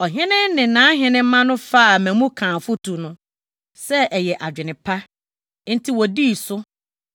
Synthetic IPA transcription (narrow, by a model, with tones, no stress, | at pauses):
ɔ˨ɦɪ̃˦nɪ̃˦nɪ̃˨nãː˨˦ɦɪ̃˦nɪ̃˦m˦mã˦nʊ̃˦fa˦a˨mæ̃˨mũ˦kʰãː˨fʊ˦tʰu˨nʊ̃˦ | sɛ˦ʔɛ˨jɛ˨ʔa˨d͡ʑᶣɪ˨nɪ̃˨pʰa˦ | n̩˦tʰi˦wɔ˨di˦˨sʊ˦